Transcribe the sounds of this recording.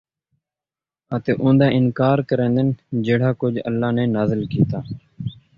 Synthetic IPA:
ət̪eːʔʊ̃ːnd̪aːʔɪnkaːɾkəɾẽːnd̪ənd͡ʒeːɽaːkʊd͡ʒə̰lːaːnẽːnaːzəlkiːt̪aː

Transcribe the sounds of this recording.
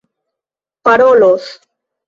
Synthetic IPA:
paɾolos

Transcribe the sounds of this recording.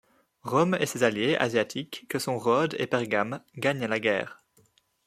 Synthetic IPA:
ʁɔmḛsezaljeʔa̰zjat̪ʰikːəsɔ̃ʁɔd̪ḛpɛʁɡamɡaɲlaɡɛ̰ːʁ

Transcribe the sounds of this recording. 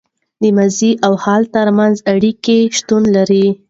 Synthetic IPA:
d̪əmaziʔawhɑlt̪əɾmanzaɽikeʃt̪unlaɾi

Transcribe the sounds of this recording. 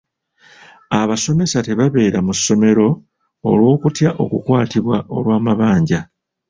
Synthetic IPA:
aβaso̞me̞sate̞βaβe̞ːɾamusːo̞me̞ɾo̞̰ː | lwo̞ːkutjaʔo̞̰kukwaːtiβwaʔo̞̰lwaːmaβaːɲɟa

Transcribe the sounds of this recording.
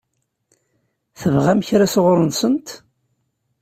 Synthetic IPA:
θəvʁæmçɾasoʁɾˤənsənt̪

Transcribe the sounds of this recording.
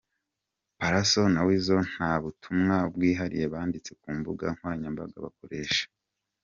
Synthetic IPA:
paɾaso̞nawizo̞n̥haːβutʰumŋabɡiːɦaɾḭje̞βaːndit͡se̞kuːmbuɡa̰ŋ̥waːɲamba̰ɡa̰βa̰ko̞ɾe̞ːʃḁ

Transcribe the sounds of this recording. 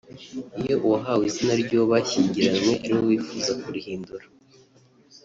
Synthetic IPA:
ijo̞ʔuwaɦaːwizinaɾɟo̞βaçiːɲɟiɾanŋwe̞ʔaɾiwowiːfuzakuɾihiːnduɾa

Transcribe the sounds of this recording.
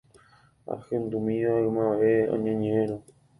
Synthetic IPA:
a̰hẽnd̪umĩaɨmãʋeõ̰ɲẽɲẽɾ̃õ

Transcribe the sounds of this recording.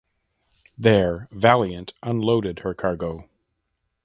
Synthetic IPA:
ðə˞vælˠjɨ̃ntʔə̃nloʊɾɨd̚hə˞kʰɑɹɡoʊ

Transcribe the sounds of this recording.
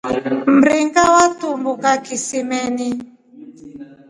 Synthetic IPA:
m̩ɾiŋɡawatumbukakisimɛni

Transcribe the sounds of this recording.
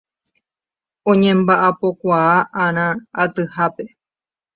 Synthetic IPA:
õɲẽmbaʔapo̞kʷaaʔãɾ̃ãat̪ɨhape̞

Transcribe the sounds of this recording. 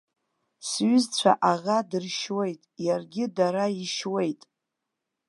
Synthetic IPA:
sɥʏzt͡sʷʰa̰ʔaʁadɨrʃwe̞jtʼjarɡʲɪdaɾaiʃwe̞jtʼ

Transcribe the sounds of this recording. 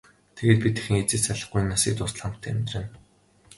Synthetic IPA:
t̪ʰeɣeːt̪̚pʲit̪e̥xɘ̆ŋet͡sɘ̆ːt͡ɕsaɮə̆χɡuj̆nːasḭːt̪ʊs̆ɮam̥t̪ʰːmʲt̪rɘ̆n

